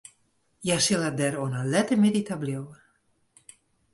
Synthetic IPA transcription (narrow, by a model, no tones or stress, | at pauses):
jasɪlad̪ɛɾonalɛt̪əmeditabljowə